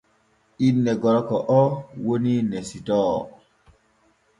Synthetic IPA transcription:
inːɛɡɔɾɔkɔʔɔwoninɛsitɔ

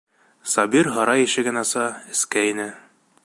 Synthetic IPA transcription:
sɒbiɾɦɒɾɑjɘ̆ʃɘ̆ɡɘ̆nɑsɑɘ̆skæinɘ

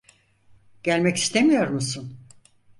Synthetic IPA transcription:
ɟ̥ælʲmɛci̥st̪ʰemijo̞ɾmusun

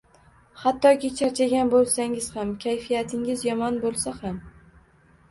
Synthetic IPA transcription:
hat̪ːɒkʲɪt͡ʃʰaɾt͡ʃʰaɡʲanbolˠsaŋɪz̥hamkʲʰajfijat̪ʰɪŋɪzjɒmɒnbolˠsaham

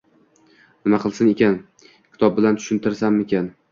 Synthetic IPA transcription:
nɪmaqʰɨlˠsɪne̞kʲan | kʲʰɪ̥t̪ɒb̚bɪlant̪ʰʊ̥ʃɪnt̪ʰɪɾsanmekʲan

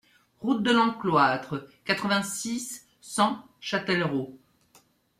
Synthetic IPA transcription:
ʁut̪̚d̪əlɑ̃klwat̪χəkat̪χəvɛ̃sisː | ɑ̃ | ʃat̪ɛlʁo

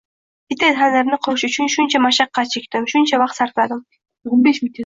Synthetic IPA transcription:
bit̪enɦaneɾnɪqʰoʃʊt͡ʃʰynʃunt͡ʃamɑʃɑqːɑt͡ʃʰek̚ʲt̪ɪmʃunt͡ʃawɑq̚t̪sɑɾt̪ˠɑd̪ɨm | beʃmit̪ʰʲ

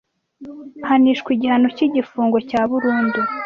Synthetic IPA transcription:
haniʃkwiɟihano̞ciɟifuːŋɡo̞caːβuɾuːndu

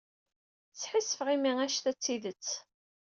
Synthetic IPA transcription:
t͡sːħisːəfʁimiæʃθæt͡sːiðət͡sː

